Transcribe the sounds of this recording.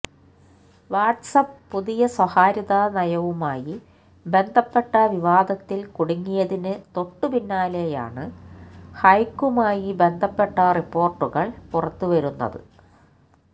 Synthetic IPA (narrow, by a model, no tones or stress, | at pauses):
ʋaːʈsɐppuðijɐswɐhaːɾiðaːnɐjɐʋumaːji | be̞nd̪ʱɐpːe̞ʈːɐʋiʋaːd̪ɐt̪ːilkuɽuŋːijɐðinɨt̪o̞ʈːupinːaːleja̰ːɳɨ | hɐjkːumaːjibe̞nd̪ʱɐpːe̞ʈːɐripːo̞ːrʈːuɣɐɭpurɐt̪ːuʋɐɾunːɐ̰ðɨ̰